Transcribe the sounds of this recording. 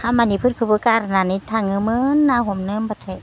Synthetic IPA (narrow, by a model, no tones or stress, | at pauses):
kʰamːanipʰɯt̪̚kʰɯpɯkaɾananit̪ʰaŋɯmɯnːaɦomnɯmpat̪ʰet̚